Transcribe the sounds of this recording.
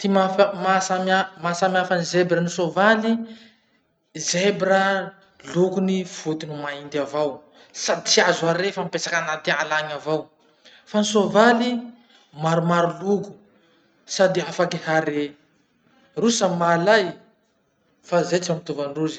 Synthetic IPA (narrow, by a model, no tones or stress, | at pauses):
t̪imafmasamamasamiafanizebɾənisovali | zebɾə | lukunifut̪inimaind̪avaw | sad̪it͡siazuaɾefampesakanat̪ialaɲavaw | fanisovali | maɾumaɾuluku̥ | sad̪iafakihaɾe | rusəmalaj | fazet͡samit̪uvaɳɖ͡ʐuzi̥